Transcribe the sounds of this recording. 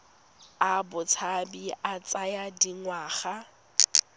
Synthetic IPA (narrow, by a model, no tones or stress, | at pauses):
abʊt͡sʰabiʔat͡sʼajadiŋwaːχa